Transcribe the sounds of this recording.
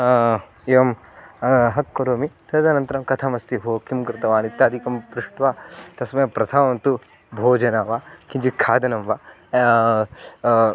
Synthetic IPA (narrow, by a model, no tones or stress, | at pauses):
eːʋɐm | ɦɐkːɐɾoːmit̪ɐd̪ɐnɐnt̪ɐɾɐmkɐt̪ʰamɐst̪iɦoːkimkɾɪt̪ɐʋaːnit̪ːaːd̪ʱikɐmpɾuʂʈʋaːt̪ɐsmɐjɐpɾɐt̪ʰaʋɐnt̪u | bʱoːd͡ʒɐnaːʋakind͡ʒikʰaːd̪ɐnɐmʋaː